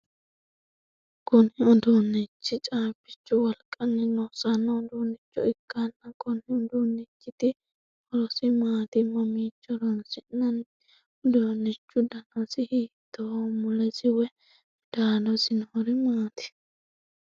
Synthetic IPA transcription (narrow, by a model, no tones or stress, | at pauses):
kɔnhɪɔd̪oːnːɛt͡ʃːɪt͡ʃʼaːbɪt͡ʃːʊwɐlkʼɐnːɛnɔsɐnːɐd̪oːnːɪt͡ʃːʊ̰ɪkːanːɐkʼɔnhɪɔd̪oːnːɪt͡ʃːɪt̪ɪ | ɔɾɔsɪmaːt̪ɪmɐmiːt͡ʃːɔɾɔnsɪnɐn | d̪oːnːɪt͡ʃːʊd̪ɐnɔsɪhiːt̪ːɔwmʊlɛsɪwɛ | d̪̥aːdɔsɪnhɔɾɪmaːt̪ɪ̥